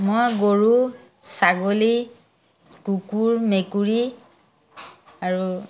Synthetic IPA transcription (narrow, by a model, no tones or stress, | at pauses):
mojɡoɹu | saɡoli | kukuɹmekuɹi | aɹu